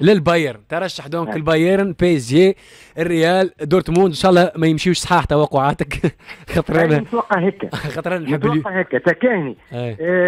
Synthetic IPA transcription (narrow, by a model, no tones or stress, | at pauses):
lɪlbɑjəɾnt̪ɑɾˤɑʃːaħd̪õːŋkɪlbɑjəɾnpesje | ɪrːɪjæːld̪uːɾt̪muːd̪nʃɑʔɑlˤːɑmæjɪmʃiːʃsˤħɑːħt̪awɑqːʊʕaːt̪əkxɑt̪ˤɾˤɑnwɑqːɑɦɪkːæ̰xɑt̪ˤɾɑnnħəbːlhɪkːæt̪ækæːhniaj